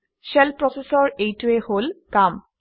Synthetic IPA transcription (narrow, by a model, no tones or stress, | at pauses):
ʃɛlpɹɔsesɔɹejtueholkam